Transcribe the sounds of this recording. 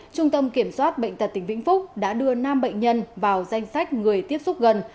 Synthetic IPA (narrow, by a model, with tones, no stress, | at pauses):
t͡ɕʊ˧ŋ͡mt̪ə˧mki˧˩əmswaː˦˥t̚ɓə̰˧˨ŋ̟t̪ə˨˩t̚t̪ï˧˩ŋ̟vḭ˧˥ŋ̟fʊ˦˥k͡p̚ɗa̰ː˧˥ɗɨ˧ənaː˧mɓə̰˧˨jŋ̟ɲə˧nvaː˨˩wza˧jŋ̟sa˦˥jk̟̚ŋɨ˨˩əjt̪i˦˥əp̚sʊ˦˥p̚ɣə˨˩n